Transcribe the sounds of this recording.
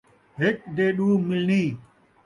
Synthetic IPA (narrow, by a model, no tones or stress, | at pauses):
ɦek̚ɖ̪eːɗuːmɪlniː